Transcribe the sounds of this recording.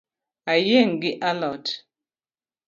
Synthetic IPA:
ajeŋɡiʔalɔt

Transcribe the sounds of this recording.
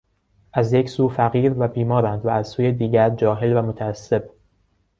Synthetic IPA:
ʔæzjecʰsuːfæɣiːɾvæbiːmɒːɾænd̪vææz̥suːjed̪iːɟæɾd͡ʒɒːɦe̞lvæmo̞t̪ʰæːsːe̞b̥

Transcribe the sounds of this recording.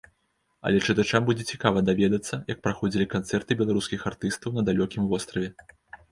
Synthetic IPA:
ɐ̰lʲɛt͡ʂɨt̪at͡ʂambud͡zʲɛt͡sʲikavɐd̪avʲɛd̪ɐt̪sːɐjɐk̚pɾaxɔd͡zʲilʲikant̪sɛrt̪ɨbʲɛlˠaɾuskʲixart̪ɨst̪ɐwnɐd̪alʲɔkʲimvɔst̪ɾɐvʲɛ

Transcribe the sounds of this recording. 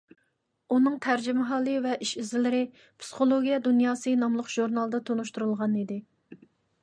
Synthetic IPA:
unɨŋt̪ʰæɾd͡ʒɪmɪɦɑːlˠɨvɛʔiʃizɪlɪɾɪ | pʰsɨ̥χolˠoɡʲijɛd̪unjɑːsɨnɑmlˠʊqʒ̥uɾnɑlˠd̪ɑt̪ʰonuʃt̪uɾulˠʁɑnid̪ɪ

